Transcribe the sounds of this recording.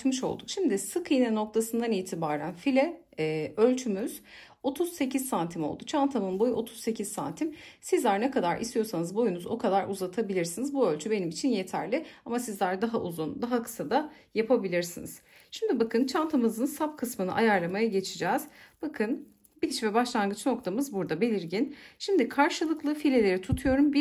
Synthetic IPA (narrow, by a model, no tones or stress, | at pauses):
mɯʃo̞̰lˠd̪ukʃimd̪ɪsɯkʰɯjnɛno̞k̚t̪ʰasɯnd̪aniːt̪ʰibaːɾænfilʲɛ | ø̞lʲt͡ʃʰymyz̥ | o̞t̪ʰuz̥se̞cʰizsant̪ʰimo̞lˠd̪ut͡ʃʰant̪ʰamɯnbo̞juʔo̞t̪ʰu̥z̥se̞cʰizsa̰nt̪ʰimsizlʲæɾnɛkad̪aɾʔḭst̪ijo̞ɾsanɯzbo̞junuzo̞kʰad̪aɾuzat̪ʰabilʲiɾsinizbuø̞lʲt͡ʃʰybe̞nimit͡ʃʰinje̞t̪ʰæ̰ɾlʲɪamasizlʲæɾd̪aɦaʔuzund̪aɦakʰɯ̥sad̪a | japʰabilʲiɾsinḭz̥ʃimd̪ibakɯnt͡ʃʰant̪ʰamɯzɯnsapkʰɯsmɯnɯ̰ʔa̰jaɾlˠamajaɟet͡ʃʰid͡ʒɛːz̥b̥akʰɯn | bit͡ʃvɛbaʃlˠanɡɯt͡ʃno̞k̚t̪ʰamɯzbuɾd̪abe̞lʲiɾɟinʃimd̪ikʰaɾʃɯlˠɯklˠɯfilʲe̞lʲe̞ɾit̪ʰut̪ʰujo̞ɾumbi